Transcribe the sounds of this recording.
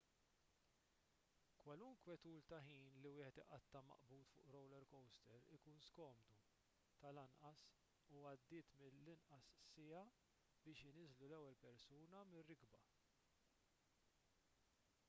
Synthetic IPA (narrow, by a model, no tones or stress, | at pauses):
kwɐlʊŋkwɛt̪uːlt̪ɐħiːnliwɪːħɛt̪ɪʔɐt̪ːɐmɐ̰ʔbuːt̪fʊ̰ːʔɾɔwlɛɾkɔwst̪ɛɾɪkuːnskɔːmd̪u | t̪ɐlɐnʔɐs | uɐd̪ːɪːt̪mɪlːɪnʔɐsːɪjɐ | bɪːʃɪnɪzlulɛwːɛlpɛɾsuːnɐmɪrːɪɡbɐ